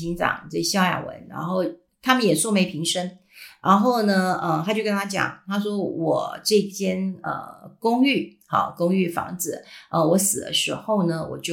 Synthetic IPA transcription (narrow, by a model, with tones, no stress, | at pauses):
i˧˥ŋʈ͡ʂɑ̰˨˩ŋt͡sə˥˩ɕjɑ˥˩ʊja̰˨˩wə̰˧˥nɻa̰˧˥nxo˥˩ʊ | t̪ʰa˥mə˨njɛ˨˩swɔ˥˩me˧˥ɪpʰi˧˥ŋʂə˥ŋ | ɻa˧˥nxo˥˩ʊnə˩ə˧t̪ʰa˥t͡ɕjo˥˧ʊkə˥nt̪ʰa˥t͡ɕjɑ̰˨˩˦ŋt̪ʰa˥ʂ̬wɔ˥wɔ˨˩ʈ͡ʂɤ˥˩i˧t͡ɕʰjɛ˥nə̰˧˩kʊ˥ŋy˥˩ | xɑ̰˨˩kʊ˥ŋy˥˩fɑ̰˧˥ŋd͡zɹ̩˨˦ə˧wɔ˧˥sɹ̩˨˩d̪ə̰˦ʂɻ̩˧˥xo˥˩ʊnə˩wɔ̰˨˩t͡ɕjo˥˩